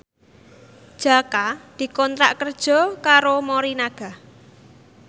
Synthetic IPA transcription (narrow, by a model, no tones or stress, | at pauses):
d̥ʒ̥a̤kad̪̥i̤kɔnt̪ɾaʔkərd̥ʒ̥ɔ̤kaɾomoɾinaɡ̥a̤h